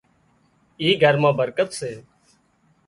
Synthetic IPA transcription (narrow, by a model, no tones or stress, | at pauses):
iːɡʱəɾmãːbəɾkət̪seː